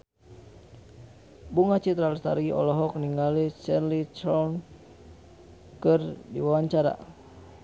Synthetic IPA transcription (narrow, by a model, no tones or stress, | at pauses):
buŋat͡ʃit̪ɾalst̪a̰ɾiɔ̰lɔɦɔk̚niŋalit͡ʃɛnlit͡ʃɔn | kɨrdḭwawaɲt͡ʃaɾa̰